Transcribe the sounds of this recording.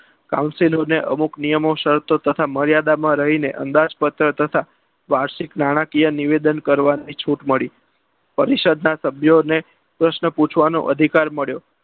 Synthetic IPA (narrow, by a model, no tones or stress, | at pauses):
kaũnsiloneʔə̰muknijəmoʃəɾt̪ot̪ət̪ʰaməɾjad̪amãɾəɦinḛʔə̰nd̪ad͡ʒpət̪ɾət̪ət̪ʰa | ʋaɾʃiknaɽ̃akijəniʋed̪ənkəɾʋanit͡ʃʰuʈməɭi | pəɾiʃəd̪nasəbʱjone | pɾəʃnəput͡ʃʰʋano̰ʔə̰d̪ʱikaɾməɭjo